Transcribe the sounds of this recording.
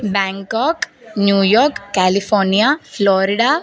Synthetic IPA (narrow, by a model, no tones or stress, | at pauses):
baːŋkɔːknjuːjɔːɾkːaːlipʰɔːɾnijaːplɔːɾiɖaː